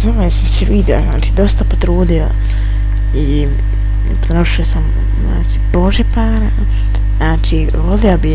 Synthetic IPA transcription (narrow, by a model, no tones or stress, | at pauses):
amojasamseʋid̪o̰naːt͡ʃiːd̪o̞st̪apot̪ɾuːd̪io̰ | i | pɾenoʃiosam | zna̰ːt͡ʃi̥boʒepaːɾa | naːt͡ʃi | ʋoliobi